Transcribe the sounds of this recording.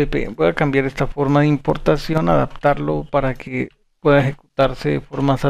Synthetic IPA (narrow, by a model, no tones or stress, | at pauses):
epḛbweakambjaɾest̪afo̞ɾmaðeimpoɾt̪asjo̞na̰ða̰p̚t̪aɾlopaɾakʰe | pweðaexeku̥t̪aɾseefoɾmasa